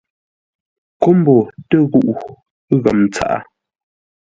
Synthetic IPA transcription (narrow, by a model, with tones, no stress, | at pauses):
ko˦m̩˦bɔ˨tə˦ɣu˦˨ʔu˨˦ | ɣa˨mt͡sa̰˦ʔa̰˦